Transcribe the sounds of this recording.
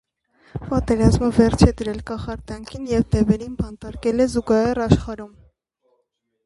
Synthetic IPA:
pɑt̪ɛɾɑzməvɛɾt͡ʃʰɛd̪əɾɛlkɑχɑɾt̪ɑŋkʰinjɛvd̪ɛvɛɾinbɑnt̪ɑɾkɛlɛzuɡɑhɛrɑʃχɑɾum

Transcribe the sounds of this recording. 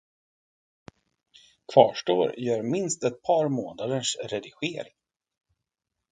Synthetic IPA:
kʰv̥ɑːʂʈo̰ːɾjœːɾmɪnst̪ɛt̪̚pʰɑɾmoːnad̪əʂɾɛd̪ɪɧeːɾɪŋ

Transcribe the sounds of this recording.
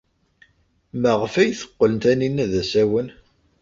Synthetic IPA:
məʁfæjθə̥qːələnt̪æninːæðæsæwən

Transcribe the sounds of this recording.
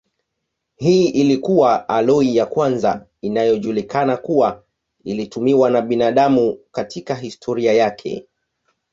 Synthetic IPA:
hiːʔilikuwaalɔijakwanza | inajɔʄulikanakuwa | ilitumiwanaɓinaːɗamukatʰikaɦistʰɔɾiajakʰɛ̰

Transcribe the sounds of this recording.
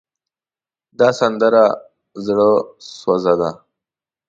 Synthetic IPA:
d̪ɑsand̪əɾa | zɽəswazad̪a

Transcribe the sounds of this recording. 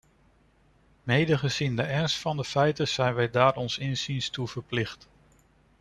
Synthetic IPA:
mejdəχəzindəɛnstfɑndəfɛjtəz̥ɛjnʋɛjdaːɹɔnsɪnzinstuv̥əɹplɪχt

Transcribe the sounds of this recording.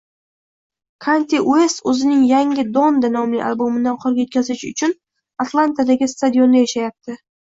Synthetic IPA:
kʰant̪ʰʲeʔuest̪ɵzɪnɪŋjaŋʲɪd̪ond̪anɒmlɪ̰ʔa̰lˠbomɪd̪anqʰoɾɡʲajot̪̚kʲʰazɪʃʊ̰t͡ʃʰʊn | at̪lˠant̪ʰad̪aɡʲɪst̪ad̪jo̞nːajaʃajap̚t̪ʰɪ

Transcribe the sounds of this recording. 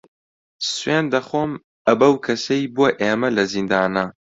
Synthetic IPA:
sweːnd̪ɐxoːm | ɐbɐwkʰɐsɐjbuɐʔeːmɐlɐzind̪aːnɐ

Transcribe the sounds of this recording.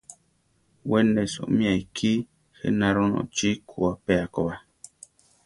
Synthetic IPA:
wɛnɛsɔ̰mĩaikʰi | xɛ̰nãɾɔnɔ̰̃t͡ʃikʰuapɛakɔba

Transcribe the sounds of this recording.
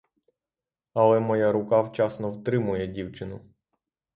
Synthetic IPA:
ɐlˠɛmɔjaɾʊkɑwt͡ʃɑsnɔwt̪ɾɪmʊjɛdʲiwt͡ʃɪnʊ

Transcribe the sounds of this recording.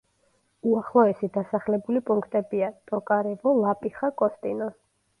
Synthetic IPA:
uaχlˠɔɛsid̪asaχlɛbulipʼuŋkʰt̪ʼɛbiat̪ʼɔkʼaɾɛvɔlapʼiχakʼɔst̪ʼinɔ

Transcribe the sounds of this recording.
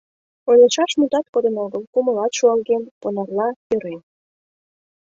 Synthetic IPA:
ojleʃɑʃmut̪ɑt̪̚kod̪ənoɣəlkuməlɑt̪ʃuɑlɣenponɑrlɑjøɾen

